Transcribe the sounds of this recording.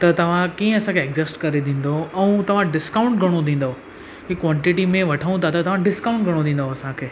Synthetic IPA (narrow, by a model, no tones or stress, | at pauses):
t̪ɐt̪ɐʋ̤ãkiːə̃ɐsãkʰeːɡzɪsʈkɐɾed̪ĩːn̆d̪oɛ̃ũt̪ɐʋ̤ãɖɪskaʊ̃ɳʈɡʱɐɽ̃od̪ʱĩːn̆d̪o | kikwɔ̃ːɳʈɪʈimẽʋɐʈʰəũt̪ʰat̪ɐt̪ɐʋ̤ãɖɪskaʊ̃ɳʈɡʱɐɽ̃õd̪ʱĩːn̆d̪ʱoɐsãkʰeː